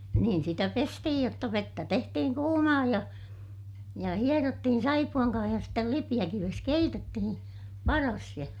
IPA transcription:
niːn sitæ pestihij jotːɑ ʋetːæ tehtihiŋ kuːmɑː jɑ jɑ hierotːihin sɑipuɑŋ kɑːh jɑ stel lipij̆ækiʋes keitetːihin̞ pɑrɑs jɑ

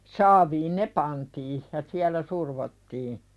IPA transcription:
sɑːʋiːn ne pɑntiː jɑ siælˑæ surʋotːiː

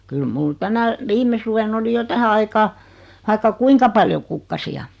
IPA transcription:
kyl mul tænæ ʋime suʋen oli jo tæhæ ɑikɑː ʋɑikːɑ kuiŋkɑ pɑljo kukːɑsiɑ

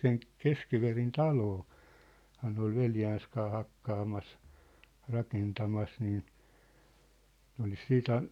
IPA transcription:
sen keskiʋerin tɑloː hɑː ne ol ʋeljæːns kɑː hɑkːɑːmɑs rɑkentɑmɑs niː nĕ olis siːt

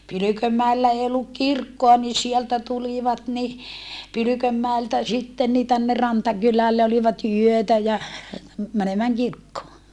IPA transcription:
pylykømːæelːæ eː olːuk kirkːoɑ ni sieltæ tuliʋɑt ni pylykømːæeltæ sitːen ni tænːer rɑntɑkylælːe oliʋɑt yøtæ jɑ mænemæːŋ kirkːoː

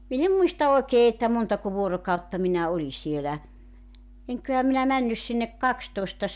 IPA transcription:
min em muistɑ oekeː etːæ montɑko ʋuorokɑutːɑ minæ oli sielæ eŋkˑøhæ minæ mænːys sinːek kɑkstoestɑs

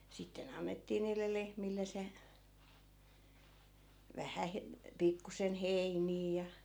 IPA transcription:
sitːen ɑnːetːiː niːlːe lehmilːe se ʋæhæ he pikːusen heiniː jɑ

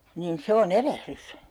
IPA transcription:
niːn se on erehrys

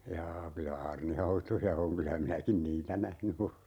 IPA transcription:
jɑː kylæ ɑːrnihɑutojɑ oŋ kylæ minækin niːtæ næhny ole

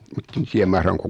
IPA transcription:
mutːen tiæm mɑhrɑŋko

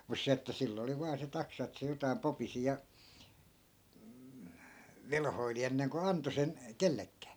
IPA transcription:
mus se etːæ silː oli ʋɑː se tɑksɑ etːæ̆ se jotɑi̯m popisi jɑ ʋelhoili enːeŋko ɑnto sen kelːekːæː

